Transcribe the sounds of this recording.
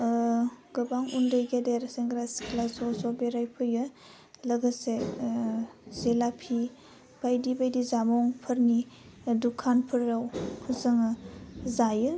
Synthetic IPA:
ɡ̥ɯbaŋundɯjɡedeɾseŋɡɾasklasɔsɔbeɾajpʰɯjɯ | lɐɡɯse | zelapʰi | b̥ajdibajdizamɔŋpʰɯɾni | dukʰanpʰɯɾːawhʰɯzɯŋɯzajɯ

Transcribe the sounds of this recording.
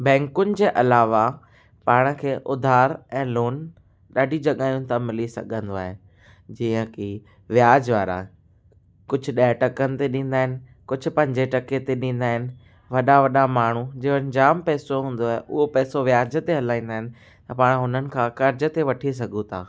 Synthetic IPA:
bɛ̃ːŋkʊnɪ̆d͡ʑeːʔɐlaːʋa | paːɽ̃ə̆kʰeːʔʊd̪ʱaːɾɛ̃ːloːn | ɗaːɖʱid͡ʑɐɠaːijũt̪ʰamɪlisɐ̰ɡʱə̃nd̪oa̰ːɦe | d͡ʑiːə̃ki | ʋjaːd͡ʑʋaːɾa̰ | kʊd͡ʑʱʊ̆ɗaːʈɐkənɪ̆t̪eɗĩːn̆d̪aːɦɪnɪ̆ | kʊd͡ʑʱʊ̆pɐ̃ɲd͡ʑeʈɐket̪eɗĩːnd̪aːɦɪnɪ̆ | ʋɐɗaʋɐɗamaːɳ̤̃ud͡ʑeːoɐ̃ɲd͡ʑaːmpɛːsoɦũːn̆d̪oaːɦeʔʊɦopɛːsoʋjaːd͡ʑət̪eɦɐlaːĩːn̆d̪aːɦɪ̃nɪ̆ | t̪ɐpaːɽ̃ɦʊnənɪ̆kʰãːkɐɾd͡ʑə̆t̪eʋɐʈʰis̬ɐɡʱũt̪ʰaː

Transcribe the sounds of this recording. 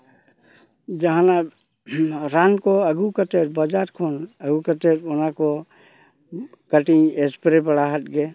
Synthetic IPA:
d͡ʒəɦãna | ɾankoəɡukət̪eɾbəd͡ʒaɾkʰonəɡukət̪eɾonako | kəʈĩespɾepəɽaɦət̪ɡe

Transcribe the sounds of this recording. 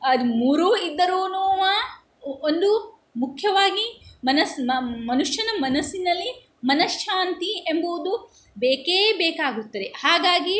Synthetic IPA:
ɐd̪umuːɾuid̪ːɐɾuːnuːmɐ | ond̪u | mukʰjɐʋaːɡimɐnɐsmɐmɐnuʃjɐnɐmɐnɐsːinɐlːi | mɐnɐsʃaːnt̪iemboʋd̪u | beːkeːbɛːkaːɡut̪ːɐd̪ehaːɡaːɡi

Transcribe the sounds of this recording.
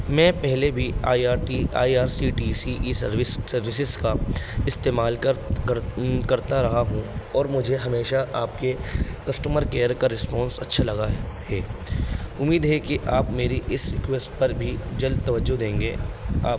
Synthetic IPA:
mɛ̃ːpɛɦlebʱiaːaːʈia̰ːiaːɾsiʈiːsiʔisɐɾʋɪssɐɾʋɪs̬ɪzkaɪst̪eːmaːl | kɐɾt̪aɾɐɦaɦũɔːɾmʊd͡ʒʱeɦɐmeːʃaʔaːpkekɐsʈuːməɾkeːəɾkaɾɪspɔ̃ːnsɐtːʃʰalɐɡahɛː | ʊmːiːd̪ɦɛkeʔaːpmeːɾiʔɪsːɪkweːspɐɾbʱid͡ʒɐld̪̚t̪ɐʋəd͡ʒod̪ẽːŋɡeːa̰ː

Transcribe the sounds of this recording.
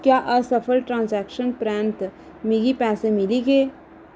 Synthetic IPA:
kjaʔəsəpʰəlʈɾãːnsɛkʃənpɾɛ̃nt̪ | miɡipɛːsemiliɡe

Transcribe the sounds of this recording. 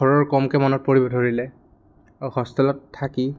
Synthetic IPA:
ɔɹɔɹkɔmkɛmɔnɔt̚poɹibɔdʱoɹilɛ | auxɔstɔlɔtʰːaki

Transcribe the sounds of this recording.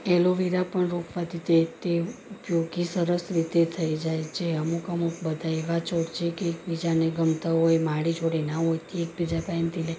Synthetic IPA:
eloʋiɾapəɳɾokʰʋat̪it̪et̪eupjoɡisəɾəsɾit̪et̪ʰəid͡ʒajt͡ʃʰeəmukəmukbəd̪ʱaeʋat͡ʃoɾt͡ʃʰekeːkbid͡ʒaneɡəmt̪aɦojmaɭid͡ʒoɽenaɦojt̪eːk̚bid͡ʒapaemt̪ile

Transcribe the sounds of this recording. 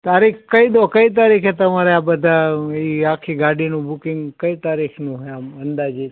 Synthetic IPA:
t̪aɾikkəid̪okəit̪̬aɾikʰet̪əmaɾeabəd̪ʱaiakʰiɡaɖinũbukiŋɡkəit̪aɾikʰnũɦeamənd̪ad͡ʒi

